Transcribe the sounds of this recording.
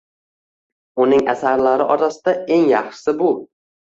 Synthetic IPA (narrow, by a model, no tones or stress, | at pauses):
ʊnɪŋa̰saɾlaɾɪʔɒɾasɪd̪ae̞ŋjɑχʃsɪbʊ